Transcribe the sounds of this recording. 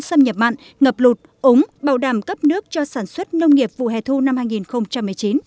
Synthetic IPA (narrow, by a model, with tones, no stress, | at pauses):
sə˧mɲə˨˩p̚ma̰ː˧˨n | ŋə˨˩p̚lu˨˩t̚ | ʔʊ˨˦ŋ͡mɓaː˨˧˩wɗaː˧˩mkə˦˥p̚nɨ˦˥ək̚t͡ɕɔ˧saː˧˩nswə˦˥t̚nə˧wŋ͡mŋi˨˩əp̚vṵ˧˨ɦɛ̰˧˨t̪ʰu˧na˧mhaː˧jŋi˨˩nxə˧wŋ͡mt͡ɕa˧mːɨ˨˩əjt͡ɕi˨˦n